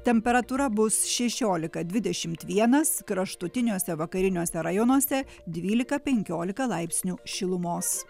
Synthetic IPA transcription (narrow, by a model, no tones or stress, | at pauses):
t̪ʲɛmʲpʲɛɾɐt̪uːɾɐbʊsʃʲɛʃʲoːlʲɪkɐd̪ʲʋʲɪd̪ʲɛʃʲɪmt̪ʋʲiɛnɐskɾɐʃt̪ʊt̪ʲɪnʲuːsʲɛʋɐkɐɾʲɪnʲuːsʲɛɾɐjɔnoɔsʲɛ | d̪ʲʋʲiːlʲɪkɐpʲɛŋʲkʲoːlʲɪkɐlˠɐɪpʲsʲnʲuːʃʲɪlˠʊmoːs